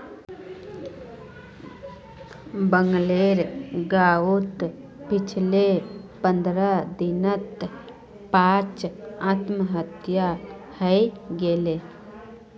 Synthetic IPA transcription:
bəŋɡleɾɡaːut̪ | pɪt͡ʃʰlepə̃nd̪ɾəd̪inət̪ | pãːt͡ʃat̪məɦət̪ja | həɡele

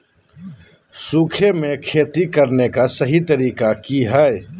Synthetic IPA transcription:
suːkʰemẽkʰeːt̪ikɐɾnekasɐɦit̪ɐɾiːkakiɦae

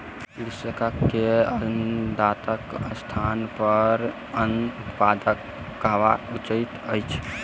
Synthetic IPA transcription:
lisəkəkːeənd̪at̪əkəst̪ʰanpəɾ | ənut̪pad̪əkː | əɦbaut͡ʃəjt̪əjt͡ʃʰ

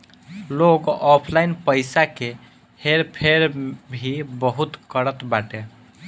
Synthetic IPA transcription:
loɡɔpʰlaɪnpəɪsake | heɾpʰeɾbʱibəɦut̪kəɾət̪baʈe

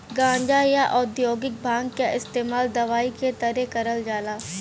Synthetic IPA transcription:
ɡãːɲd͡ʒajaʔɔːd̪joːɡɪk̚bʱãːŋɡkaʔɪst̪eːmaːld̪ɐʋaːiket̪ɐɾekɐɾəld͡ʒaːlaː

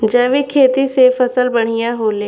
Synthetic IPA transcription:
d͡ʒɛ̃ːʋikʰeːt̪isefəsəlbəɽ̤̃ijãɦoːleː

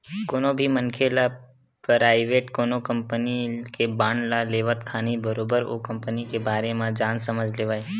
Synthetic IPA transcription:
koːnobʱimənkʰela | pɾaːɪʋeːʈkoːnokəmpənikebaːɳɖlaleːʋət̪kʰaːnibəɾoːbəɾo̰ːkə̃mpənikebaːɾemãd͡ʒãːnsəməd͡ʒʱleːʋae

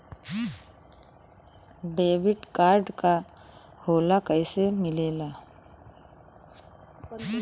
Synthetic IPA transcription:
ɖeːbɪʈkaːɾɖka | hoːlakəɪsemɪleːla

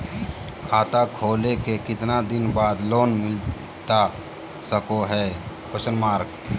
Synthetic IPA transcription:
kʰaːt̪akʰoːlekekɪt̪nad̪ɪnbaːd̪loːnmɪl | t̪a | səkoɦɛː | kʰʊsənmaːɾk

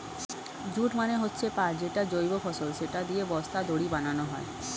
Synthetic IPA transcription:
d͡ʑuʈmaneɦotːɕʰepad͡ʑeʈad͡ʑojbofʰɔsolʃeʈad̪iebɔst̪ad̪oɽibananoɦɔe

